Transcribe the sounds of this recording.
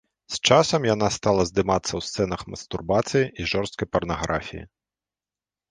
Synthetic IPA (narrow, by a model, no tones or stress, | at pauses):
st͡ʂasɐmjan̪ast̪alˠɐzd̪ɨmat̪sːɐwst̪sɛnɐxmɐ̰st̪urbat̪sɨjiiʐɔrst̪̚kɐjpɐrnaɣɾafʲḭjḭ